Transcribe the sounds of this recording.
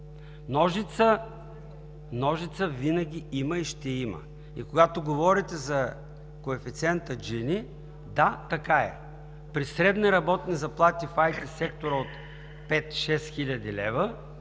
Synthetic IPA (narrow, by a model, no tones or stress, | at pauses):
nɔʒit̪sə | nɔʒit̪səvinɐɡʲiiməiʃt̪ɛimə̰ | ḭkoɡat̪oɡovɔɾit̪ɛzɐ | koɛfit̪sʲɛnt̪əd͡ʒini | d̪at̪ɐkaɛ̰ | pɾisɾɛd̪niɾɐbɔt̪nizɐplˠat̪ifajt̪isɛkt̪oɾəot̪ | pɛt̪ʃɛsxilʲɐd̪ilɛvə